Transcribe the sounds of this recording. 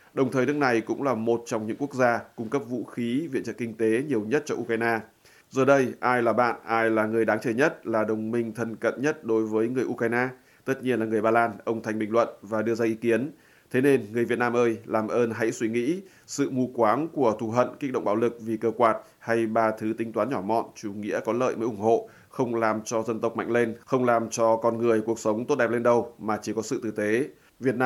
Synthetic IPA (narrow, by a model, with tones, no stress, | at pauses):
ɗə˨˩wŋ͡mt̪ʰəː˨˩jnɨ˦˥ək̚na˨˩jkʊ̰˧˥ŋ͡mlaː˨˩mo˨˩t̚t͡ɕɔ˧wŋ͡mɲɨ̰˧˥ŋku˦˥ək̚zaː˧kʊ˧ŋ͡mkə˦˥p̚vṵ˧˥xi˨˦vḭ˧˨t͡ɕə̰˧˨ŋkï˧ŋ̟t̪e˨˦ɲi˨˩əwɲə˦˥t̚t͡ɕɔ˧ʔu˧kwaː˧jnaː˧ | zəː˨˩ɗə˧jʔaː˧jlaː˨˩ɓa̰ː˧˨nʔaː˧jlaː˨˩ŋɨ˨˩əjɗaː˨˦ŋt͡ɕəː˧˩ɲə˦˥t̚laː˨˩ɗə˨˩wŋ͡mmï˧ŋ̟t̪ʰə˧˩nkə̰˧˨nɲə˦˥t̚ɗo˨˦jvəː˨˦jŋɨ˨˩əjʔu˧kwa˧jnaː˧ | t̪ə˦˥t̚ɲi˧ənlaː˨˩ŋɨ˨˩əjɓaː˧laː˧nʔə˧wŋ͡mt̪ʰa˨˩ŋ̟ɓï˨˩ŋlwə̰˧˨nvaː˨˩ɗɨ˧əzaː˧ʔi˨˦ki˨˦ən | t̪ʰe˨˦ne˧nŋɨ˨˩əjvi˨˩ət̚naː˧mʔəː˧jlaː˨˩mʔəː˧nɦa̰˧˥jswi˧˩ŋḭ˧˥ | sɨ̰˧˨mu˧kwaː˨˦nku˧˩ət̪ʰu˧˩ɦə̰˧˨nkk̚ɗ̰o̰˧˨ŋ͡mɓaː˨˧˦wlɨ˨˩k̚vi˨˩kəː˧kwaː˨˩t̚ | ha˧jɓaː˧t̪ʰɨ˨˦t̪ï˨˦ŋ̟t̪waː˨˦nɲɔ˧˩mɔ̰˧˨nt͡ɕu˧˩ŋḭ˧˥əkɔ˨˦lə̰ː˧˨jməː˨˦jʔʊ˧˩ŋ͡mho̰˧˨ | xə˧wŋ͡mlaː˨˩mt͡ɕɔ˧zə˧nt̪ə˨˩k͡p̚ma̰˧˨jŋ̟le˧nxə˧wŋ͡mlaː˨˩mt͡ɕɔ˧kɔ˧nŋɨ˨˩əjku˨˩ək̚sə˨˦wŋ͡mt̪o˦˥t̚ɗɛ˨˩p̚le˧nɗə˧˩wmaː˨˩t͡ɕi˧˩kɔ˨˦sɨ̰˧˨t̪ɨ˨˩t̪e˨˦ | vi˨˩ət̚nː˧